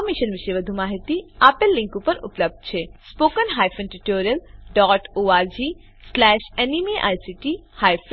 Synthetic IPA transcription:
miʃənʋiʃejʋəd̪ʱumaːɦit̪iapelːĩŋkupəɾṵpləb̚d̪̚t͡ɕʰespokənɦaːjfʰənʈuʈoːɾiəlɖɔːʈoːaɾd͡ʑi | slɛʃenimiʔa̰jsiʈihaːjf

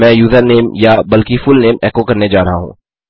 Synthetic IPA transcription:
ɛ̃ːjuːzəɾneːmjabɐlkifʊlneːmɛːkokɐɾned͡ʒaːɾɐɦaɦṵ̃ː

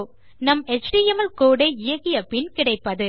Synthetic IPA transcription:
nɐmɛt͡ʃɖiɛmɐlkoːɽɐɪɪjɐɣɪjɐpɪnkɪɽɐɪpːɐðɯ

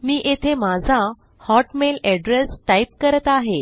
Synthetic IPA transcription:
miːʔet̪ʰemad͡zʱã | hɔʈmelɛɖɾesʈaip̚kəɾət̪aɦe

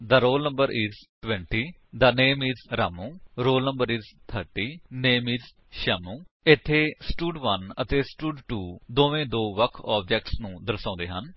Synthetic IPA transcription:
d̪aːɾoːlnə̃mbəɾʔiːzʈwɛ̃ɳʈiː | d̪aneːmiːzɾaːmũːɾoːlnəmbəɾiːzt̪ʰəɾʈiːneːmiːz | ʃɛːmũː | ɪt̪ʰːeːsʈuːɖʋənət̪eːsʈuːɖʈuːd̪oːʋẽːd̪oːʋəkʰɔːb̚d͡ʒɛːk̚ʈsnũːd̪əɾsãːnd̪ḛːɦən

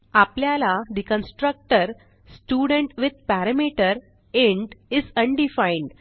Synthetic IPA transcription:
apljalaɾikə̃nsʈɾək̚ʈəɾ | sʈjuɽə̃ɳʈʋid̪̚pæɾəmiʈəɾ | eɳɖizəɳɖifaiɳɖ

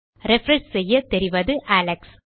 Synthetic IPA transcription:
ɾɛfɾɛɳssɛjːɐt̪ɛɾɪʋɐðɯʔaːlɐks

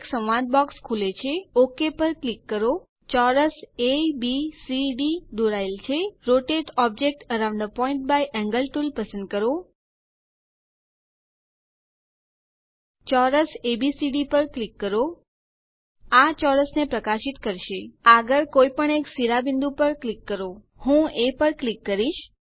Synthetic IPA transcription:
eksə̃mʋãd̪̚bɔkskʰulet͡ʃʰeokepəɾklikːəɾo | t͡ʃɔɾəsebisiɖid̪oɾaelt͡ʃʰeɾoʈeʈɔb̚d͡ʒek̚ʈəɾãw̃ɳɖd̪əpɔiɳʈ̚bajʔɛ̃ŋɡəlʈulpəsənd̪̚kəɾo | t͡ʃɔɾəsebisiɖipəɾklikːəɾo | at͡ʃɔɾəsnepɾəkaʃit̪kəɾʃeaɡəɾkoipəɳeksiɾabind̪upəɾklikːəɾo | hũepəɾklikːəɾiʃ

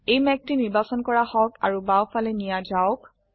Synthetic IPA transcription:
ejmɛk̚tiniɹbasɔnkɔɹahɔka̰ɹubawfalɛnijazaʊk

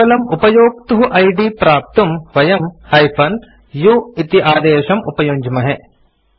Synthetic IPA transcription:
ɐlɐmupɐjoːkt̪uɦuʔɐjɖipɾaːp̚t̪umʋɐjɐmhɐjpʰɐn | juit̪iʔaːd̪eːʃɐmṵpɐjoːɲd͡ʒɐmɐɦe

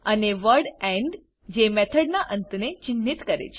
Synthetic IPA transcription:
əneʋəɾɖɛ̃ɳɖ | d͡ʒemɛt̪ʰəɽnaʔənt̪net͡ʃɪnːit̪kəɾḛt͡ʃʰe̥

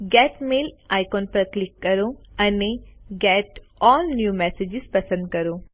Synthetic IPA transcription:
ɡɛːʈmeːlaːjkoːnpɐɾklɪkːɐɾoɐneɡɛːʈ | ɔːlnjuːmɛːseːd͡ʒɪzpɐsə̃nd̪̚kɐɾo

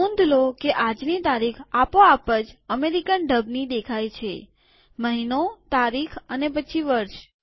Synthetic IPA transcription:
õnd̪ʱlokeʔad͡ʒnit̪aɾikʰapoapəd͡ʒəmeɾikənɖəbnid̪ekʰajt͡ʃʰe | məɦinot̪aɾikʰənepət͡ʃʰiʋəɾʃ

